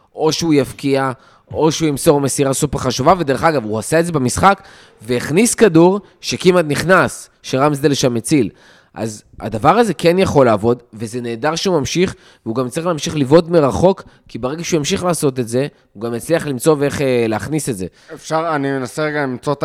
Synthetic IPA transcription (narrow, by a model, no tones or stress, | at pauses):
ʔo̞ʃeujafkia | o̞ʃeujimso̞ʁmesiʁasupeχaʃuvaved̪eʁeχaɡavuasaetze̞bemisχak | veeχniskaduʁ | ʃekimat̪niχnas | ʃeʁamsd̪eleʃamːet͡sil | ʔa̰z | a̰d̪avaʁaze̞kenjaχo̞laːvo̞dvezene̞ːdaʁʃeumamʃiχ | veuɡamt͡saʁiχleːmʃiχlivo̞tmeʁaχo̞k | kːibeʁeɡaʃeujimʃiχlaːso̞t̪e̞tze̞ | uɡamet͡sliaχlimt͡so̞veeχeleaχnisetze̞ | efʃaʁanimenaseʁeɡalimt͡sot